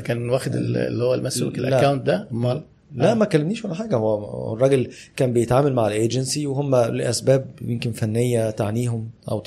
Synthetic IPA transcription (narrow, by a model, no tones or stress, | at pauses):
kæːnwæːxed̪ḛl̰lːihowːælmæsokelʔæækawnt̪̚d̪æmːɑ | læʔmækːælːemniːʃwælːħaːɡæhowːæ̰rˤɑːɡelkæːmbejet̪ʕaːmælmaʕelʔeːd͡ʒensiweɦomːæleʔæsbæːb̚jemkenfænːejːæt̪aʕniːɦomʔæ̰w